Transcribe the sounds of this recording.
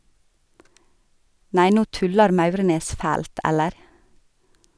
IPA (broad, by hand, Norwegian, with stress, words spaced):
ˈnæɪ ˈnuː ˈtʉlɑɾ ˈmɑʉɾneːs ˈfæːlt ˈɛləɾ